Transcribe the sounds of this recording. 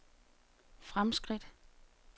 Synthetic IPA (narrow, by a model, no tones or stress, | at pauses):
fʁamsɡ̥ʁid̥